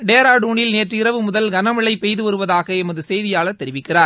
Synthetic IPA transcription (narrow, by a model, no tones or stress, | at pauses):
ɖeːɾaːɽuːɳɪlneːʈriɪrɐʋɯmʊðɐlɡɐnɐmɪɭɐɪpɛjðɯʋɐɾɯʋɐðaːɣɐɛmɐðɯsɛjðɪjaːɭɐt̪ːɛɾɪʋɪkːɪraːɾ